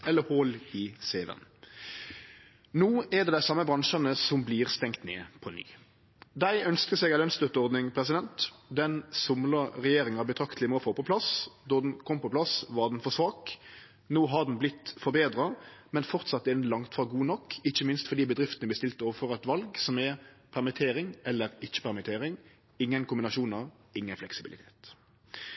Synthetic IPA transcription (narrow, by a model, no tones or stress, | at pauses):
ɛlːəholɪseːʋə̰n | nuːɛd̪ɛːd̪æɪsɑmːəbʁɑŋʃɑnəsɔmbliːʁst̪ɛŋt̪nḛːpʰɔny̰ː | d̪æɪʔœnskəsɛːɡæɪlœnst̪œt̪ːəɔʁd̪nɪŋpʰʁɛsɪd̪ɛnt̪d̪ɛnsʊmləʁɛjeːɾɪŋhɑbət̪ʰɾɑkt̪ʰlɪmoːfoːpɔpʰlɑsd̪ɔd̪n̩kʰɔmːpɔplɑsʋɑʁd̪ɛn̩fɔʁsʋɑːk | noːɦɑd̪n̩blɪt̪ːfɔɾbeːd̪ʁɑmɛnfɔʁt̪sɑt̪ːɪnlɑŋt̪fɑɡuːnɔkːɪçːəmɪnst̪fɔʁd̪iːbəd̪ʁɪft̪ənəbəst̪ɪlt̪oːʋəfɔʁɛt̪ʋɑlɡsɔmɛpʰæʁmɪt̪ʰeːʁɪŋɛlːəɾɪt͡ʃːə̥pʰæʁmɪt̪ʰeːʁɪŋ | ɪŋːənkʊmbɪnɑʃuːnɑ | ɪŋːənflɛksɪbɪlɪt̪ʰe̥ːt̪